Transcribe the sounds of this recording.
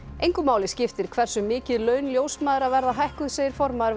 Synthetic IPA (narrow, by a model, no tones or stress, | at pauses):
ejŋkʏmaːwlɪscɪft̪ɪɾ̥kʰv̥ɛr̥sʏmːɪːcɪðlœːɥnljoːwsmaːðɪɾaðvɛɾðaɦajhkʏðseːjɪɾ̥fɔɾmaðɪɾ